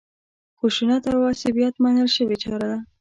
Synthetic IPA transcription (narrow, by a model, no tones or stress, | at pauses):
xuʃunat̪awɑsɪbjat̪mɑnəlʃəwet͡ʃɑɾad̪a